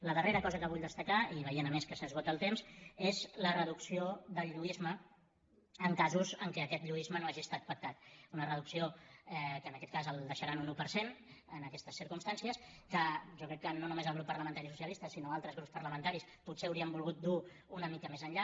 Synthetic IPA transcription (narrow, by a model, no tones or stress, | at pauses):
ləðəreɾəkɔzəkəβuʎd̪əst̪əkaiβəjieənəmeskəsəzɣot̪əlˠt̪emzezlərəðuksioðəlˠʎuizmə | əŋkazuzəŋkɛəkɛt̪ʎuizmənoaʒiəst̪at̪̚pək̚t̪at̪unərəðuksioɛkəːnəkɛt̪̚kazəlˠd̪əʃəɾanunupəɾsenənəkɛst̪əsːiɾkumst̪ansiəskəʒɔkɾɛkːənonumezəlˠɣ̞ɾupːəɾləmənt̪aɾisusiəlist̪əsinoalˠt̪ɾəzɣɾupspəɾləmənt̪aɾisput̪seəwɾiəmbulˠɣut̪̚d̪u | unəmikəmezəɲʎa